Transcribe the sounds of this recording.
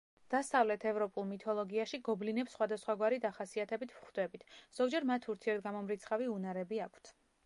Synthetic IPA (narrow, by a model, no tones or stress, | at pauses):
d̪̥asavlɛt̪ʰɛvɾɔpʼulˠmit̪ʰɔlˠɔɡiaʃiɡɔblinɛpsːχwad̪asχwaɡwaɾid̪aχasiat̪ʰɛbit̪ʰvχd̪ɛbit̪ʰz̥ɔɡd͡ʒɛɾmat̪ʰuɾt̪ʰiɛɾt̪̚ɡamɔmɾit̪sʰχaviunaɾɛbiakʰt̪ʰ